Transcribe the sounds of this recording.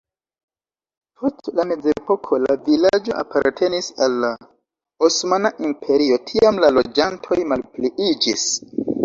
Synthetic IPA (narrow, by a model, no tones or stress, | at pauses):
pʰo̞stlame̞d͡ze̞po̞kʰo̞la̰vilad͡ʒo̞ʔa̰pa̰ɾtʰe̞nisalːa | osmanaʔimpʰe̞ɾio̞tʰiamlalo̞d͡ʒantʰo̞jmalpliid͡ʒis